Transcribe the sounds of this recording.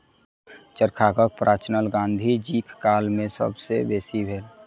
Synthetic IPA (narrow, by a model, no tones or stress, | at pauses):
t͡ʃəɾkʰaːkək̚pɾʔaːt͡ʃnəlɡãːnd̪ʱid͡ʒiːkʰːaːlmẽsə̰bsebeːsibʱeːl